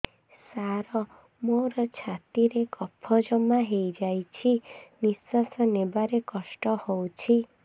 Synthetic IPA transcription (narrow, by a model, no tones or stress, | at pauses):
saɾɔ | moɾɔt͡ʃʰat̪iɾekɔpʰːɔd͡ʒɔmaɦejd͡ʒajt͡ʃʰinisɔsɔnebaɾekɔsʈɔhowt͡ʃʰi